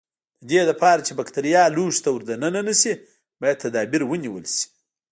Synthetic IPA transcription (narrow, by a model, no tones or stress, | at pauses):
d̪̥əd̪ed̪ɐpɑɾat͡ʃebakt̪aɾijɑluʃt̪awuɾd̪anənanasi | bɑjad̪̚t̪ʰːad̪ɑbiɾwəniwə̰lsi̥